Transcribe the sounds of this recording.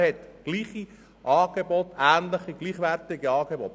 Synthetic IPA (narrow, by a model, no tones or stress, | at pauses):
hɛt̪ɡ̥liːχi | ʔɑːɡ̥ebɔtæːnləχiɡ̥liːχʋærtɪɡiɑːɡ̥ebɔt